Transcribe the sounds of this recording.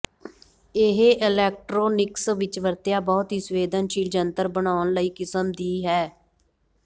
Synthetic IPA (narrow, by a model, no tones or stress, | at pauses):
eɦeʔɪlɛːk̚ʈɾoːnɪksʋɪt͡ʃʋəɾt̪jaːbɔːt̪ɦiːsʋeːd̪ənʃiːld͡ʒənt̪əɾbənaːnləiːkɪsəmd̪iːɦɛː